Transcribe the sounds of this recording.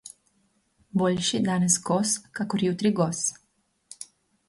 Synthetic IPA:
boʎʲʃid̪anɛsɡoskakoɾjut̪ɾiɡos

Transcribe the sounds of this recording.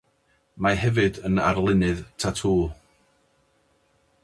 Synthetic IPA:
maɦɛvɨdəna̰rlˠɪnɨðtʰatʰuː

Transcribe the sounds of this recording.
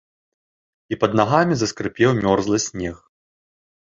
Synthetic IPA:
ipɐd̪̚naɣamʲizɐskɾɨpʲɛwmʲɔrzlˠɨsʲnʲɛx

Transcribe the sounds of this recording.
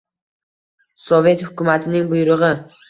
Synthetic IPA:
sɒve̞t̪hʊkʲʊmat̪ʰɪnɪŋbʊjɾɨʁɪ

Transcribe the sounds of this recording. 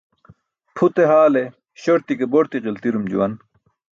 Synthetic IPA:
pʰut̪eɦaːle | ɕoɾt̪ikeboɾt̪iʁilt̪iɾumd͡ʑṵwɐn

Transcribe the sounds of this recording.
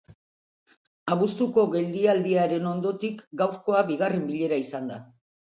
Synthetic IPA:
aβust̪uko̞ɣe̞ld̪iald̪iaɾe̞no̞nd̪o̞t̪ikɡawɾko̞aβiɣarembiʎe̞ɾaisand̪a

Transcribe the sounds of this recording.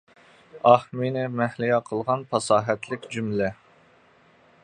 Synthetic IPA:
ɑhminɪmɛhlijɑqʰəlˠʁɑnpʰɑsɑːɦɛt̪ʰlɪkʲd͡ʒymlɛ

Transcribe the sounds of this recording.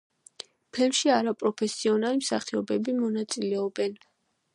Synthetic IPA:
pʰɛlmʃiaɾapʼɾɔpʰɛsiɔnalimsaχiɔbɛbimɔnat̪sʼilɛɔbɛn

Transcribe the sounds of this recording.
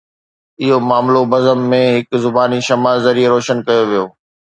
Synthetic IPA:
ɪɦomaːmlobɐzəmːẽɦɪkzʊbaːniʃɐmaːlzɐɾieɾoːʃənkɐjoʋijoː

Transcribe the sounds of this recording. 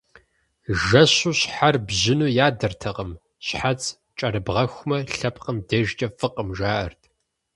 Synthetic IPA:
ʒɐɕuːɕħarbʑɪnuːjaːdɐrtʰɐqəm | ɕħat͡sʼ | t͡ʃʼɐɾɨbʁɐxʷmɐɬɐpʰqəmdɐʒt͡ʃʼɐfɨqʼəmʒaːʔɐ̰rtʰ

